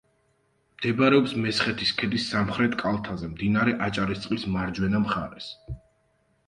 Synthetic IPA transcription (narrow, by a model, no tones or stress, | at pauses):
md̪̥ɛbɾɛɔpsmɛsχɛt̪ʰiskʰɛd̪isːamχɾɛt̪ʼkʼalˠt̪ʰazɛmd̪inaɾɛʔat͡ʃʼaɾist̪sʼqʼismaɾd͡ʒwɛnamχaɾɛs